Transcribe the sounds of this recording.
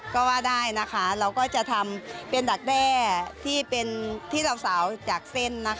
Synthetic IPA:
kɔː˥˩waː˥˩daː˥˩jna˦˥kʰa˦˥ɾa˧wkɔː˥˩t͡ɕa˨˩t̪ʰa˧mpe˧ndaː˨˩k̚dɛː˧˥˩t̪ʰiː˥˩pe˧nt̪ʰiː˥˩ɾa˧wsaː˩˦wt͡ɕaː˨˩k̚se˥˩nːa˦˥

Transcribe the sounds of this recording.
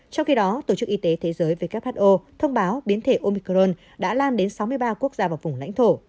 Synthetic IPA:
t͡ɕɔ˧wŋ͡mxi˧ɗɔ˨˦t̪o˧˩t͡ɕɨ˦˥k̚ʔi˧t̪e˨˦t̪ʰe˨˦zəː˨˦jve˧˨˩kaː˦˥k̚haː˦˥ʔo˧t̪ʰə˧wŋ͡mɓaː˨˦wɓi˨˦ənt̪ʰe˧˩ʔo˧mi˧kɾo˧n | ɗa̰ː˧˥laː˧nɗe˨˦nsa˨˦wmɨ˧əjɓaː˧ku˦˥ək̚zaː˧vaː˨˩wvʊ˨˩ŋ͡mla̰˧˥jŋ̟t̪ʰo˧˩

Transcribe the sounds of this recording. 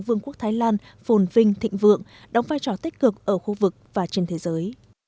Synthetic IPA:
vɨ˧əŋku˦˥ək̚t̪ʰaː˨˦jlaː˧n | fo˧˩nvï˧ŋ̟t̪ʰḭ˧˨ŋ̟vɨ̰˧˨əŋ | ɗa˨˦wŋ͡mvaː˧jt͡ɕɔ˧˩t̪i˦˥k̟̚kɨ˨˩k̚ʔəː˧˩xu˧vɨ˨˩k̚vaː˨˩t͡ɕe˧nt̪ʰe˨˦zəː˨˦j

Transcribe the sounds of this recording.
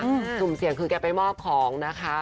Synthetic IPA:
ɯː˧˩su˨˩msi˨˩˦ŋkʰɯː˧kɛː˧pa˧jmɔː˥˩p̚kʰɔː˩˦ŋna˦˥kʰa˦˥

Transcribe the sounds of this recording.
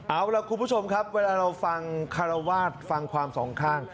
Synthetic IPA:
ʔaː˦˩wlɛ˧˩kʰu˧npʰu˦˥˩t͡ɕʰo˧mkʰa˦˥p̚weː˧laː˧ɾa˧wfa˧ŋkʰa˧ɾa˧waː˥˩t̪̚fa˧ŋkʰwaː˧msɔː˩˦ŋkʰaː˥˩ŋ

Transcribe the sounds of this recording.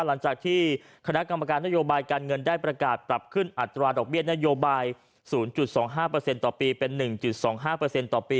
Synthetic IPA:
la˩˦ŋt͡ɕaː˨˩k̚t̪ʰiː˥˩ | kʰa˧na˦˥ʔka˧mːa˧kaː˧nːa˥joː˧baː˧jkaː˧nŋɤ˧ndaː˥˩jpɾa˧kaː˨˩t̪̚pɾa˨˩p̚kʰɯ˥˩nʔa˨˩t̪ːɾaː˧dɔː˨˩k̚bi˥˩ɐna˥joː˧baː˧j | suː˩˦nt͡ɕu˨˩t̪̚sɔː˩˦ŋɦaː˥˩pɤː˧se˧nt̪ɔː˨˩piː˧pe˧nːɯ˨˩ŋt͡ɕu˨˩t̪̚sɔː˩˦ŋɦaː˥˩pɤː˧se˧nt̪ɔː˨˩piː˧

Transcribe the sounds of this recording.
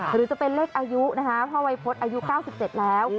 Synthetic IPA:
ɾɯː˩˦t͡ɕa˨˩pe˧nleː˥˩k̚ʔaː˧ju˦˥na˦˥kʰa˦˥t̪ʰɔː˥˩wa˧jpʰo˦˥t̪̚ʔaː˧ju˦˥kaː˥˩wsi˨˩p̚t͡ɕe˨˩t̪̚lɛː˦˥w

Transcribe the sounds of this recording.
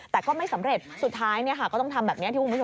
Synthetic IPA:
t̪ɛː˨˩kɔː˥˩ma˥˩jsa˩˦mɾe˨˩t̪̚su˨˩t̪ʰːaː˦˥jni˥˩ɐkʰa˥˩kɔː˥˩t̪ɔ˥ŋt̪ʰmbɛː˨˩p̚ni˦˥t̪i˦˥˧mʰ˩˦˥o˧

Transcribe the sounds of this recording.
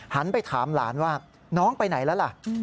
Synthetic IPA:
ha˩˦npa˧jt̪ʰaː˩˦mla̰ː˩˦nwaː˥˩ | nɔː˦˥ŋpa˧jna˩˦jla˦˥wla˧˩ʔ

